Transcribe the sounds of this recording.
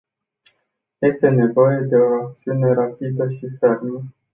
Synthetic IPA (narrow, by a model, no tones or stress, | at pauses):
je̞st̪e̞ne̞vo̞je̞d̪e̞o̞ak̚t̪siune̞ɾapid̪əʃife̞rmə